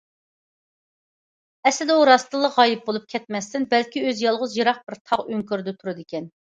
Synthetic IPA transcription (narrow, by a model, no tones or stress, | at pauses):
ɛslɪd̪ɛuɾɑst̪ɨlˠəʁɑjip̚bolˠup̚kʲʰɛt̪̚mɛst̪ɪnbɛlkʲiøzjɑlˠʁʊzjɨɾɑχ̚bɪɾt̪ʰɑʁøŋkʲyɾd̪ɛt̪ʰuɾɨd̪ɪkʲɛn